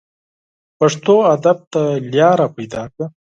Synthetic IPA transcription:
paʂt̪oad̪ab̚t̪aljɑːɾapajd̪ɑːka

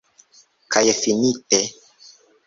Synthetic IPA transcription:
kʰajefinite

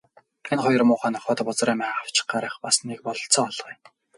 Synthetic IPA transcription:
enχɔjɞ̆rmʊːχæːnɔχɔːt̪apɔt͡sræːmæːaw̥t͡ɕɪ̥̆χ̚ɢaɾə̆ːχpas̆nik̚pɔɮɞ̆ɬt͡sɔːɔɮʁiː

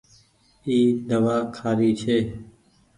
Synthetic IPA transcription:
iːd̪əʋaːkʰaːɾiːt͡ʃʰeː

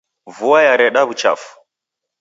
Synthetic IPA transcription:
vuajaɾɛɗaβut͡ʃa̰fu̥

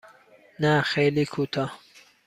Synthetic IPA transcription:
naxelikʰut̪ʰa

